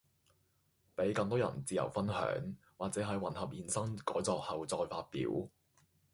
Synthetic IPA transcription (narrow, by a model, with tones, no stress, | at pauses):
pe˨˥jkɐ˧ŋt̪ɔː˥jɐ̰˨˩nt͡siː˨˩jɐ̰˨˩wfɐ˥nhœ̰ː˨˥ŋ | waː˨k̚t͡sɛː˨˥ɦɐ˨˧jwɐ˨˩nhɐ˨p̚jiː˨˩nsɐ˥ŋkɔː˨˥jt͡sɔː˧k̚hɐ˨wt͡sɔː˧jfaː˧t̚pḭː˨˥w